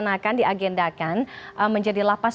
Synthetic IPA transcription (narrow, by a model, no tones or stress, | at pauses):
nakandiʔaɡɛndakanʔəməɲd͡ʒadilapa